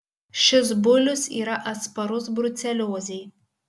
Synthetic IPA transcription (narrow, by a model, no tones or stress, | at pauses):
ʃʲɪs̬bʊlʲʊsḭːɾɐʔɐspɐɾʊsbɾʊt̪sʲɛlʲoːzʲɛj